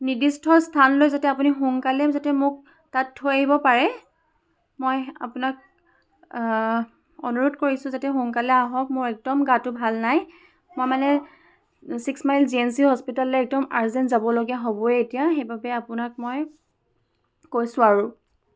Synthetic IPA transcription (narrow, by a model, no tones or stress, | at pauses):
nidistʰɔstʰanlojzatɛapunixuŋkalɛmzatɛmʊk̚ | tatʰːojaɦibɔpaɹɛ | moja̰pʊnak | ɔ̰nuɹutkoɹisʊ̃zatɛxuŋkalɛaɦɔk̚mʊɹɛk̚dɔmɡatʊbʱalnaj | mojmanɛ | siksmajlziɛnsiɦɔspitalɛɛk̚dɔmaɹzɛnzabɔloɡiaɦobɔɛetijaxejbabɛapʊnak̚moj | kojsʊ̃aɹʊ